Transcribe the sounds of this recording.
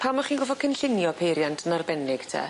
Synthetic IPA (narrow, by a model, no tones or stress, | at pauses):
pʰamɔχiːnɡɔvɔkʰənɬɪnjɔpʰejɾjantʰənarbɛnɪɡ̥tʰɛ̰ː